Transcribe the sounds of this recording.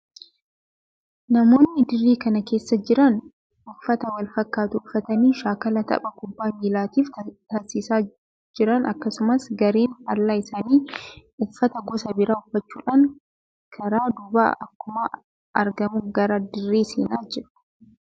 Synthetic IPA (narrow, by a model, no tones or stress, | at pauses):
nɐmo̞ːnːɪd̪ɪrːiːkɐnɐke̞ːsːɐd͡ʒɪɾɐn | ʔʊfːɐt̪ɐwɐlfɐkːaːt̪ʊʊfːɐt̪ɐniːʃaːkɐlɐt̪ɐ̰pʼɐkʊbːaːmiːlaːt̪iːft̪ɐsiːsaː | d͡ʒɪɾɐnʔɐkːɐsʊmɐsɡɐɾeːnhɐɾlaːɪsaːniːʊfːɐt̪ɐɡɔsɐbɪɾaːʊfːɐt͡ʃːuːᶑaːŋ | kʰɐɾaːd̪ʊba̰ːʔɐ̰kːʊmɐ | ʔɐɾɡɐmuɡɐɾɐd̪ɪrːiːsḛːnaːd͡ʒɪɾ